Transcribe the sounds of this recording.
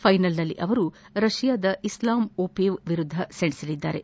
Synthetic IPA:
pʰɐjnɐlnɐlːḭʔɐʋɐɾu | ɾɐʃijaːd̪ɐʔislaːmoːpeːʋʋiɾud̪ʱːɐseɳisɐlid̪ːa̰ːɾe̞

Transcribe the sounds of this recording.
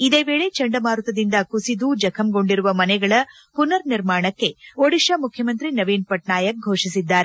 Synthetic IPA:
id̪e̞ːʋe̞ːɭe̞t͡ʃɐɳɖɐmaːɾut̪ɐd̪ind̪ɐkusid̪ud͡ʒɐkʰɐmɡo̞ɳɖiɾuʋɐmɐnɛɡɐɭɐ | punɐɾniɾmaːɳɐkːe̞oɽiʃɐmukʰjɐmɐnt̪ɾinɐʋiːnpɐʈnaːjɐk̚ɡʱoːʂisid̪ːaːɾe

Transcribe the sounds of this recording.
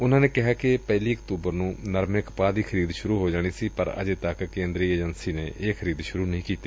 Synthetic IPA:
ʊnãːneːkɪɦaːkɪpɛːliːəkt̪uːbəɾnũːnəɾmɪkpaːd̪iːkʰəɾiːd̪ʃʊɾuːɦoːd͡ʒaːɽ̃iːsiːpəɾə̰d͡ʒet̪əkkẽːnd̪ɾiːeːd͡ʒənsiːnḛːʔeːkʰəɾiːd̪ʃʊɾuːnəɦĩːkiːt̪i

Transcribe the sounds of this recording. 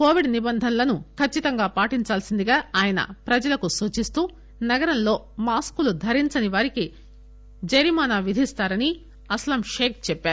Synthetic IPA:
koːʋiɖnibɐnd̪ʱɐnlɐnukʰɐt͡ʃːit̪ɐŋɡaːpaːʈiɲt͡ʃaːlsind̪iɡaːaːjɐnɐ̰pɾɐd͡ʒɐlɐkusuːt͡ʃist̪uː | nɐɡɐɾɐnlo̞ː | maːskulud̪ʱɐɾiɲt͡ʃɐniʋaːɾiki | d͡ʒɐɾimaːnaːʋid̪ʱist̪aːɾɐni | ɐslɐmʃeːk̚t͡ʃɛpːaːɾu

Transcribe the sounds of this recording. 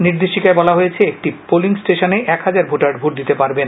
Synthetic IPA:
niɾd̪eʃikaebɔlaɦojet͡ɕʰeek̚ʈipoliŋsʈeʃoneʔɛkhad͡ʑaɾbʱoʈaɾɖbʱuɾd̪it̪epaɾben

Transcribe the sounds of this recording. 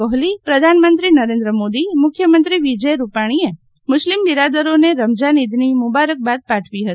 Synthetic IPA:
ɔɦlipɾəd̪ʱanmənt̪ɾinəɾend̪ɾəmod̪imʊkʰːjəmənt̪ɾiʋid͡ʒəjɾupaɽ̃ie | mʊʃlimbiɾad̪əɾoneɾəmd͡ʒanid̪ʱnimʊbaɾək̚bad̪̚paʈʰʋiɦət̪i

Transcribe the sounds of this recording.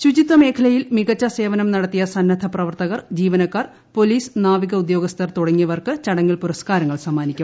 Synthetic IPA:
ɕud͡ʑit̪ʋɐme̞ːkʰɐlɐjilmiɣɐt͡ɕːɐse̞ːʋɐnɐmnɐɽɐt̪ːijɐsɐnːɐd̪ʱʰɐprɐʋɐrt̪ɐɣɐrd͡ʑiːʋɐnɐkːaːr | po̞liːsnaːʋiɣɐud̪jo̞ːɡɐst̪ʰɐrt̪uɽɐŋːijɐʋɐrkɨt͡ɕɐɽɐŋːiɭpuɾɐskaːɾɐŋːɐɭsɐmːaːnikʲːum

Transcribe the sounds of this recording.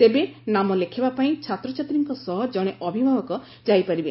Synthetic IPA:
t̪ebenamɔlekʰebapaĩt͡ʃʰat̪ɾɔt͡ʃʰat̪ɾiŋkɔsɔɦɔd͡ʒɔɽ̃eʔɔbʱibʱabɔkɔ | d͡ʒajpaɾibe

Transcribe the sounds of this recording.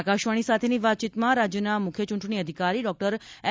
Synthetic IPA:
kaʃʋaɽ̃isat̪ʰeniʋat̪̚t͡ʃit̪mãɾad͡ʒjənamʊkʰjət͡ʃũɳʈɳ̃iəd̪ʱikaɾiɖɔk̚ʈəɾɛ

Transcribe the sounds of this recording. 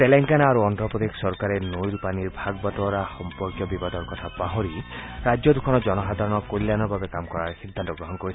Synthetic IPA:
t̪eleŋkanaɾuɔnd̪ɾɔpɔt̪iksɔɾkaɾenojɾpaniɾbʱaɡbat̪ɔɾaxɔmpɔɾkjɔbibad̪ɔɾkɔt̪ʰapaɦɔɾiɾad͡ʒjɔd̪ukʰɔnɔd͡ʒɔnɔsad̪ʱaɾɔnɔkojlːjanɔbʱabekamkɔɾaɾsid̪ʱːant̪ɔɡɾɔɦɔnkɔɾi

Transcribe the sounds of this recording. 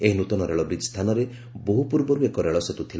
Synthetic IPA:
eɦinut̪ɔnɔɾeɭɔbɾid̪st̪ʰanɔɾe | boɦupuɾbɔɾuekɔɾeɭɔset̪ut̪ʰil

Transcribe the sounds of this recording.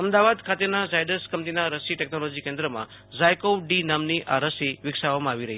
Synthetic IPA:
əmd̪aʋad̪kʰat̪enazajɖəskəmt̪inaɾəsiʈɛknolod͡ʒikẽnd̪ɾəmã̰ | d͡ʒajkoɖinəmniʔʔaɾəsiʋɪkʃaʋamãːʋiɾəɦi

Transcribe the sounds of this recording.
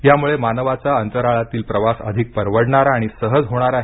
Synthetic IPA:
jamuɭemanəʋat͡saənt̪əɾaɭat̪iːlpɾəʋasə̰d̪ʱik̚pəɾʋəɽɳaɾaːɽ̃isəɦəd͡zɦoɽ̃aɾaɦe

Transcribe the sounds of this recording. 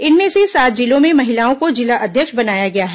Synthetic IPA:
ɪnmẽsesaːt̪̚d͡ʒilõmẽmɐɦɪlaːõkod͡ʒɪlaʔɐd̪ʱjəkʃbɐnaːjaɡɐjaɦɛ

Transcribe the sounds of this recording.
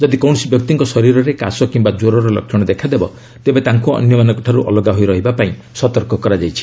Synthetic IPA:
d͡ʒɔd̪ikɔw̃ɔsibjɔk̚t̪iŋkɔsɔɾiɾɔɾekasɔkimbad͡ʒoɾɔɾɔlɔ̰kʰjɔɽ̃ɔd̪ekʰad̪ebɔ̰ | t̪ebet̪aŋkuɔ̰njɔmanɔŋkɔʈʰaɾuʔɔ̰lɔɡaɦojɾɔɦibapaĩ | sɔt̪ɔɾkɔkɔɾad͡ʒajt͡ʃʰi̥

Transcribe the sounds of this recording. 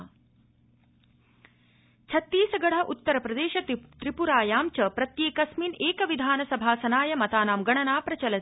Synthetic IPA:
t͡ʃʰɐt̪ːiːsɐɡɐɽ̤ɐʔut̪ːɐɾɐpɾɐd̪eːʃɐt̪ɾipuɾaːjaːmt͡ʃɐpɾɐt̪jeːkɐsmiːneːkɐʋid̪ʱaːnɐsɐbʱaːsɐnaːjɐmɐt̪aːnaːmɡɐɳɐnaːpɾɐt͡ʃɐlɐt̪

